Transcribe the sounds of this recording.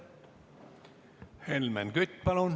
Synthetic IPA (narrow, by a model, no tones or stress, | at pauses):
helmænɡyt̪ːpɑlun